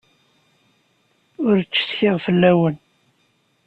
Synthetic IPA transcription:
ʊɾt͡ʃːə̥θçɪʁfəlːæwən

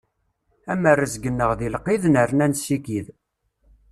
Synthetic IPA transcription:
æmərːəzɡənːəʁðilqːiðnəɾnænsiɡið

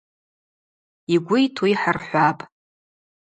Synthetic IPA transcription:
iɡʷʊjtʰwijħarħʷapʼ

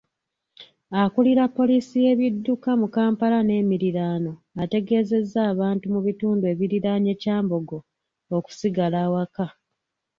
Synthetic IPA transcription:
akuliɾapːo̞liːsije̞βidːukamukaːmpaɾane̞ːmiɾiɾaːno̞ | ate̞ɡe̞ːze̞zːaːβaːntumuβituːndue̞βiɾiɾaɲe̞caːmbo̞ɡo̞ | oku̥siɡalaːwaka

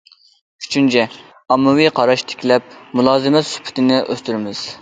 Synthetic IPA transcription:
y̥t͡ʃʰynt͡ʃʰɛ | ɑmːɨwijqʰɑɾɑʃt̪ʰe̥kʲlɛp̚mulˠɑːzɨmɛt̪sy̥pʰɪ̥t̪ʰɪnɪʔø̰st̪yɾɪmɪz̥

